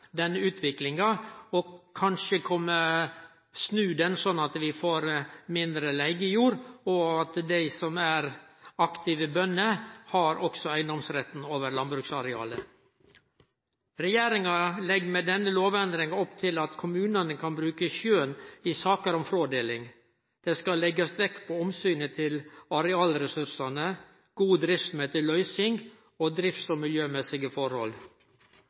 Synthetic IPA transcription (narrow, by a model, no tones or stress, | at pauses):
d̪ɛnːəʉːt̪ʰʋɪklɪŋɑɔkʰɑnʃəkʰɔmːə | snʉːd̪ɛnsɔnːɑt̪ʋɪfoːɾmɪnd̪ɾəlæɪɡəjuːɾɔɑt̪d̪æɪsɔmæɾɑkt̪ɪʋəbœnːəhɑɾɔksɔæɪnd̪ɔmsɾɛt̪ːnoːʋəɾlɑnbɾʉksɑɾɛɑ̰ːlə | ɾɛjeːɾɪŋɑlɛɡmeːd̪ɛnːəloːʋɛnd̪ɾɪŋɑɔpt̪ʰɪlɑt̪kʰʊmʉːnɑnəkʰɑnbɾʉːkəʃøːnɪsɑːkəɾɔmfɾoːd̪eːlɪŋ | d̪̥ɛːskɑlɛɡəst̪ʋɛkːpʰɔɔmsyːnət̪ʰɪlɑɾɛɑːlɾɛsʉɾsɑnə | ɡ̥uːd̪ɾɪft̪smøːt̪əlœʏsɪŋɡ | oːd̪ɾɪft̪sɔmɪljøːmɛsɪɡəfɔɾhɔ̰l